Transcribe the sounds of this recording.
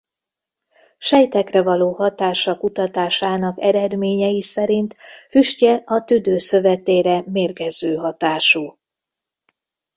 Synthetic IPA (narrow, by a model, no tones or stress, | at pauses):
ʃɛjt̪ɛkrɛvɒloːhɒt̪aːʃɒkut̪ɒt̪aːʃaːnɒkɛɾɛd̪meːɲɛjisɛɾint̪fyʃcɛɒt̪yd̪øːsø̞vɛt̪eːɾɛmeːrɡɛzːøːɦɒt̪aːʃuː